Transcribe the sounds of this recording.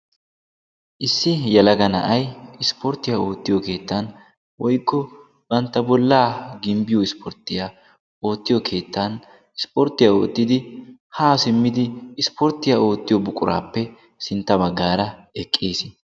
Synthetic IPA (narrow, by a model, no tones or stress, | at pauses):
ʔɪsːɪjɛlɐɡɐnɐ̰ʔɐjɪspʰɔɾt̪ːɪjao̞ːt̪ːɪjɔke̞ːt̪ːɐn | wɔjkːɔ | b̥ɐnt̪ːɐbɔlːaːɡɪmbɪjɔɪspʰɔɾt̪ːɪjaː | o̞ːt̪ːɪjɔkʰe̞ːt̪ːɐn | ɪspɔɾt̪ːɪjaːoːt̪ːɪd̪ɪhaːsɪmːɪd̪ɪːspɔɾt̪ːɪjaːo̞ːt̪ːɪjɔbʊkʼʊɾʔa̰ːpːɛ | sɪnt̪ːɐbɐɡːaːɾɐɛkʼːeːs